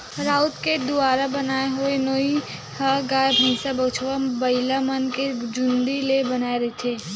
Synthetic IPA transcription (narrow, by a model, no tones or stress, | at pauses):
ɾaːʊt̪ked̪ʊaːɾabɐnaːeɦʊenoi | haɡaːbməsabət͡ʃʰʋabəɪlamənked͡ʒʊ̃nd̪ilebɐnaːeɾɐɦet̪ʰeː